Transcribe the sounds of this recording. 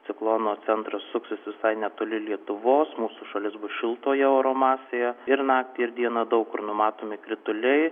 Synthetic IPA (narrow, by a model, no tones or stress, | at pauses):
tt͡s̪ʲɪklˠoːnoːt͡s̪ʲɛnt̪ɾɐssʊksʲɪsʋʲɪsɐɪnʲɛt̪oːlʲɪlʲiɛt̪ʊʋoːsmuːsʊʃɐlʲɪsbʊsʃʲɪlˠt̪oːjɛoːɾoːmɑːsʲejɛɪɾnɑːk̚t̪ʲɪɪɾd̪ʲiɛnɐd̪ɐʊkkʊrnʊmɑːt̪oːmʲɪkɾʲɪt̪ʊlʲɛɪ